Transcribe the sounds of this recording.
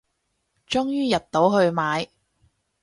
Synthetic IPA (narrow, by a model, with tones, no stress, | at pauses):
t͡ʃʊ˥ŋjyː˥jɐ˨t̚t̪o˨˥wɦɵ˧ɥmaː˨˧j